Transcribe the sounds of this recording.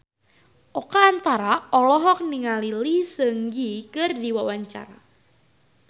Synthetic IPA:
ʔɔkaːnt̪aɾaɔlɔɦɔk̚niŋalilisəŋɡikərdiwawaɲt͡ʃa̰ɾa̰

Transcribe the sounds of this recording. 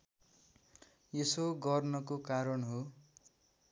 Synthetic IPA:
jesoɡʌrnʌkokaɾʌnɦo

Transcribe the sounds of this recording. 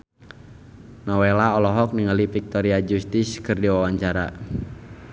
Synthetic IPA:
nɔwelaɔlɔɦɔk̚niŋalifik̚t̪ɔɾiad͡ʒust̪iskɨrdiwawaɲt͡ʃaɾa̰

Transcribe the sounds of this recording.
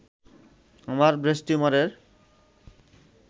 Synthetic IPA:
amaɾbɾesʈumaɾeɾ

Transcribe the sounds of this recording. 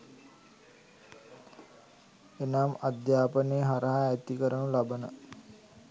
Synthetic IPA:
enamad̪jaːpəneːɦaɾɐɦaæt̪ikəɾəməlabənə

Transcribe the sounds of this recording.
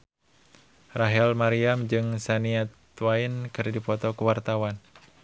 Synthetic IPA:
raɦɛlmaɾiamd͡ʒɨŋsaniat̪wainkɨrdipɔt̪ɔkuwart̪awan

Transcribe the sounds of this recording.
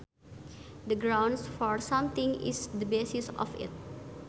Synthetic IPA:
d̪əɡɾãwnsfɔɾsãmt̪ĩŋɪ̰sd̪əbesisɔ̰fɪ̰t̪̚

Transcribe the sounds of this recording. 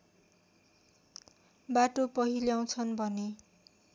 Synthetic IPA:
baʈopʌɦiljaw̃t͡sʰʌnbʱʌne

